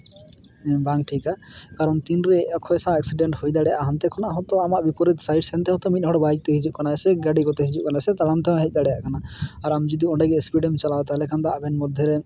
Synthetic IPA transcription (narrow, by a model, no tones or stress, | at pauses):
baŋʈʰikakaɾɔnt̪inɾɛɔkʰːɔɛsãɛksiɖɛɳʈhojd̪aɽɛja̰ʔaɦant̪ɛkʰɔnaaɦɔt̪ɔamaʔbipɔɾit̪sajɖsɛnt̪ɛɦɔ̃t̪ɔmit̪̚ˀɦɔɽbaik̚t̪eɦid͡ʒuʔ̚kanasɛɡaɖikɔt̪ɛɦid͡ʒuʔ̚kanasɛt̪aɽant̪ɛɦɔ̃ɦɛc̚ˀd̪aɽɛja̰ʔkʰanaaɾamd͡ʒid̪iɔɳɖɛɡɛspiɖɛmt͡ʃalat̪alɛkʰand̪aʔabɛnmɔd̪ʱːjɔɾɛ